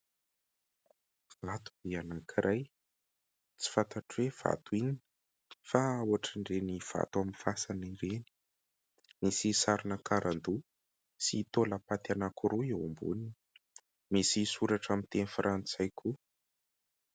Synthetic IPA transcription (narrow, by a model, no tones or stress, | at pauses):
lat̪ubianakʰiɾʔaj | t͡si̥fant̪aʈ͡ʂwev̥a̰t̪uinii | faawaʈ͡ʂəɳɖ͡ʐeniv̥a̰t̪aminfasaniɾeni̥ | misisaɾinəkaɾand̪u | siːt̪oləpat̪anakuɾuewumbṵnin | misisuɾaʈ͡ʂamint̪enifrʔant͡sajkʰu